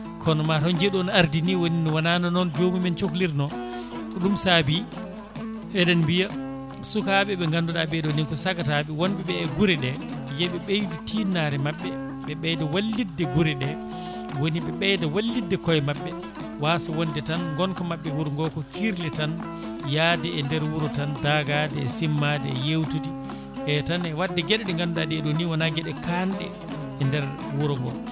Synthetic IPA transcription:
kʰɔnɔmatɔnd͡ʒeɗɔnaɾdiniwoninɔwananɔnɔnd͡ʒomimɛnt͡ʃokliɾnɔ | kɔɗumsabi | ʔɛɗɛnmbija | sukaɓɛɓɛŋɡanduɗaɓɛdɔniŋkɔsakatabɛwɔnɓɛɓɛːɡuɾɛɗɛjɛɓɛɓejditinaɾɛmaɓːɛ | ɓɛɓɛjdɛwalːidːɛɡuɾɛɗɛ | woniɓɛɓɛjdɛwalːidːɛkɔjmaɓːɛ | waːsɔwondɛtanŋɡɔnkɔmaɓːɛwuɾŋɡɔkɔkʰiɾlɛtan | jadɛɛndɛɾwuɾɔtandaɡadɛːsimːadɛɛjewtudi | ʔɛtanɛwadːɛɡɛɗɛɗɛŋɡandadiɛɗuniwanaɡɛɗɛkʰanɗɛ̰ː | ndɛɾ | wuɾɔŋɡɔ̰l

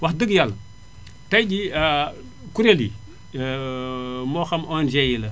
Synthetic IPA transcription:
wadəɡjal | taid͡ʒia | kuɾeli | moxamond͡ʒejilə

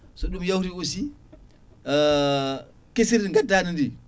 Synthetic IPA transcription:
soɗumjawɾiusi | kesiɾiŋɡadanindi

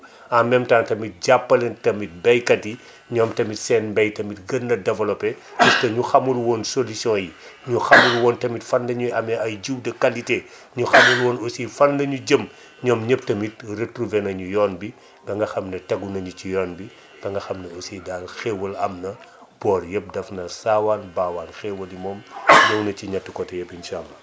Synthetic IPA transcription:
amɛmtaːntɐmit̚ɟapːɐlɐntɐmit̚bɐjkɐtji | ɲɔːmtɐmitsɛːnbɐjtɐmitɡɐnːɐdɛvɐlɔpɛd͡ʒustɐɲuxɐmːulwɔːnsolisjɔ̃ːjiɲuxɐmːulwɔːntɐmitfɐndɐɲuɐmɛɐjɟuwdɐkɐlite | ɲuxɐmulwɔːnosifɐndɐɲuɟəm | ɲɔːmɲəp̚tɐmit̚retruvɛnɐɲujɔːnbi | ɡɐŋɡɐxɐmnɐtɐɡunɐɲucijɔːnbi | ɡ̥ɐŋɡɐxɐmnɐosidaːlxɛwɐlɐmnɐ | b̥ɔːrjɛp̚dɐfnɐsaːwaːnbaːwaːnxɛwɐlimɔːmjɔwnɐciɲɐtːukɔtɛjɛpinʃaːlːɐ

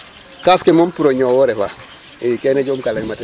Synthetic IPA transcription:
kafkemompuɾoɲowoɾefa | keneɟomkalemate

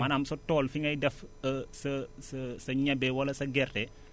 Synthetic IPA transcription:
ɐnɐmsotɔlfiŋɐjdɐfsɐsɐsɐɲɐbewɐlɐsɐɡɛrɛ

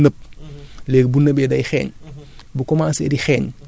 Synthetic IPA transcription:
nəp̚lɛːk̚bunəbɛdɐjxɛ̰ːɲbukɔmaːsɛ̰ːdixɛːɲ

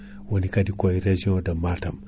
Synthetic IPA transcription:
wonikadikojiɾed͡ʒiõdamːatam

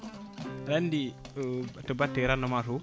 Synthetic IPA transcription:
ɾandi | təbatːeɾanːomasu

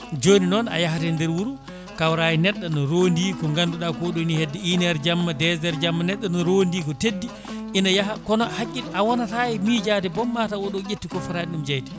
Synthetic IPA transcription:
d͡ʒoːninɔna̰jaɦatɛndɛɾwuɾu | kawɾaːjinɛɗːanɔɾondiːkɔŋɡanduɗakɔɗɔnihedːɛinɛɾd͡ʒamːadɛzɛɾd͡ʒamːanɛɗːɔnɔɾondiːkɔtedːi | ʔinajahakɔnɔhakʲʼːiawɔnatajmid͡ʒaːdɛbɔmːatawɔɗɔjʲetːikɔfɔɾaniɗumd͡ʒajtɛ̥

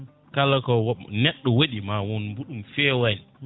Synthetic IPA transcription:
kalakɔwnɛɗːɔwaɗimawɔnmbuɗumfɛːwan

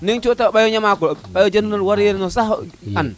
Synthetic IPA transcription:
niŋt͡ʃotaɓajɔɲamakuɓajod͡ʒannolwaɾeɾnosahan

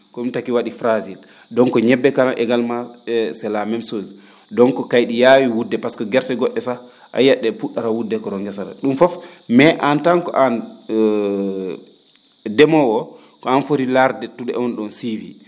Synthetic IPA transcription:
kɔintakiwaɗifɾazil | dɔnkɔɲɛbːɛkanaʔɛɡalmasɛlamɛmsozi | dɔnkɔkajɗijawiwudːɛpaskɔɡɛɾtɛɡɔɗːɛsa | ʔa̰jaɗːɛpuɗːaɾawudːɛkɔɾɔŋɡɛsaɾa̰ɗumfɔfmɛʔantankɔ̰ʔan | dɛmɔwɔ | kɔanfoɾilaɾdɛtuɗɛɔnɗɔnsivi

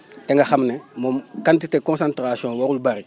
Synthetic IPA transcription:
tɛ̃ŋɡaxaminɛmokãntitekɔ̃nsãntɾasiɔ̃waɾulubaːɾi

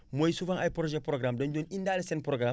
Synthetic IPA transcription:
mojsufãŋʔajpɾoʒɛpɾoɡɾamdɐnɟonindalesenpɾoɡɾam

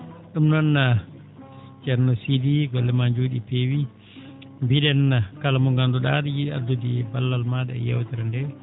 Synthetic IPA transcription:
ɗumnɔnːa | t͡ʃɛɾnɔsidiɡɔlːɛmaɲd͡ʒoɗipewi | mbiɗɛnːakalamɔŋɡanduɗadjiɗia̰dudibalːalmaɗɛ̰jɛ̰wtɛɾandɛ

